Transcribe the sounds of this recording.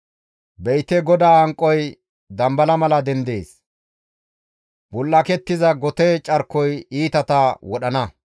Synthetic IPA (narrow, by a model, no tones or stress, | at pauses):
bɛjt̪ɛɡɔd̪aːɐŋkʼːɔj | d̪ɐmbɐlɐmɐlɐd̪ɛnd̪e̞ːs | b̥ʊlːɐkɛt̪ːɪzɐɡɔt̪ɛt͡ʃʼɐɾkːɔjiːt̪ɐt̪ɐwɔɗɐnɐ